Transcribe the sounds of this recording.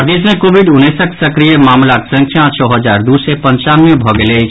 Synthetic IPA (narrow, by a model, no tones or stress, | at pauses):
d̪ismẽkobʱiɖunːesəksəkɾijemamlaksə̃ŋksʰjãt͡ʃʰɔɦəd͡ʒaɾd̪usɛpə̃ɲt͡ʃanmebʱɔɡelet͡ʃʰ